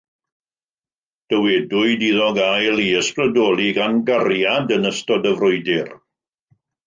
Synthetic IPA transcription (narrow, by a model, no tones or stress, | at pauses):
d̥əwɛdʊɨdiðɔɡajlˠiəsprədɔːlˠiɡanɡarjadənəstɔdəvrʊɨdɪr